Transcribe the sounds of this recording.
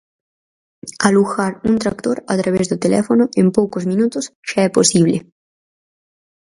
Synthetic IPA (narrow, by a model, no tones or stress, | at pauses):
aluxaɾunt̪ɾak̚t̪oɾat̪ɾaβɛzd̪ʊt̪elɛ̰fonʊempowkozmĩnut̪ʊsʃaɛposiβle